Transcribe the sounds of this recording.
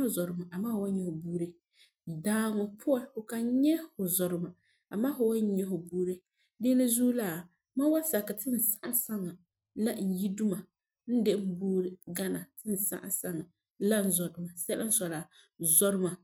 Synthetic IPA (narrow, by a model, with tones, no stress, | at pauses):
zɔ˨ɾɨ˨˦ma˨ʔa˨maː˦hʊ˨wa˦ɲɛ˨hʊ˨buː˦ɾe˦ | daː˦ŋɔ˨pʰʊ˦a˦ʊ˨ka˨˦ɲɛ˦hʊ˨zɔ˨ɾɪ˦ma˨ | a˨maː˦hʊ˨wa˦ɲɛ˦hʊ˨buː˦ɾe˦ | de˦nɨ˦zuː˦la˦˨ | ma˦wa˦sa˨ka˨tɪ˦n̩˨sa˦ʔa˦sa˦ŋa˨ | la˦˨n̩˨ji˦du˦ma˨ | n̩˦de˦ʔm̩˦buː˦ɾɨ˦ɡa˦na˨tʰɪ˦n̩˨sa̰˦ʔa̰˨sa˦ŋa˨ | la˦n̩˦zɔ˨dʊ˨˦ma˨sɛ˦lʔa˦n̩˦sɔ˨la˨ | zɔ˦ɾɪ˦ma˨